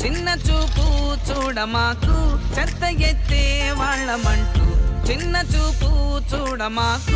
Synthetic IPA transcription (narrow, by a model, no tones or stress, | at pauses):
t͡ʃinːɐt͡ʃuːput͡ʃuːɽɐmaːkut͡ʃɐɾt̪ːɐɡet̪ːeːʋaːɭːɐmɐɳʈuut͡ʃinːɐt͡ʃuːput͡ʃuːɽɐmaːku